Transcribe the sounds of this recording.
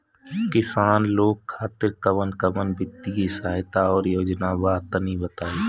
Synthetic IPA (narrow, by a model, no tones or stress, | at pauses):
kɪsaːnloːɡ̚kʰaːt̪ɪɾkəmənkəmənbɪt̪ːikisaːɦɪt̪aɔːɾjoːd͡ʒnabaːt̪ənĩbət̪aːeː